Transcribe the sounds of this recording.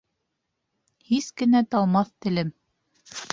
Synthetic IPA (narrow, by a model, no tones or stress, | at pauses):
hiskɘ̆næt̪ɑlˠmɑθt̪ɘ̆lɘm